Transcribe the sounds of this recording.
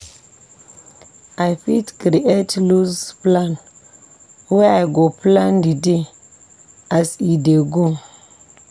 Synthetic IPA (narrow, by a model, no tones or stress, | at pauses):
ajpitkɾiʔetluzplan | weajɡoplandide | asideɡo